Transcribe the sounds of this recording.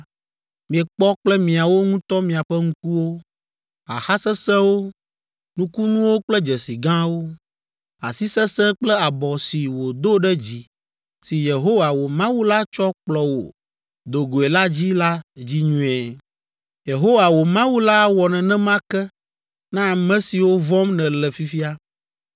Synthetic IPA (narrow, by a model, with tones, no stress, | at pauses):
mĩ˨ɛ˨k͡pɔ˦k͡plɛ˦mĩ˨a˨wo˦ŋũ˦t̪ɔ˦mĩ˨a˨ɸɛ˦ŋũ˦ku˦wo˦ | a˨xa˦sɛ˦sɛ̃˦wo˦ | nũ˦ku˦nũ˦wo˦k͡plɛ˦d͡ʒɛ˨si˨ɡã˦wo˦ | a˨si˦sɛ̃˦sɛ̃˦k͡plɛ˦a˨bɔ˨si˨wo˨d̪o˦ɖɛ˦d͡ʑi˦ | si˨je˨ɦo˦wa˨wo˨mã˦wu˦la˦t͡ʃɔ˦k͡plɔ˨wo̰˨ | d̪o˨ɡo˨e˨la˦d͡ʑi˦la˦d͡ʑi˦ɲũ˦ɛ˨ | je˨ɦo˦wa˨wo˨mã˦wu˦la˦wɔ˨nɛ̃˨nɛ̃˦mã˦kɛ˦ | nã˦˨mɛ̃˦si˨wo˦vɔ˦mnɛ̃˨lɛ˨fi˦fi˦a˦